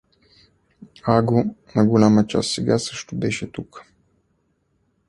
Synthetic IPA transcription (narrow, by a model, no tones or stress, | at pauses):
aɡonɐɡʊlʲamət͡ʃa̰st̪sɛɡasəʃt̪obɛʃɛt̪uk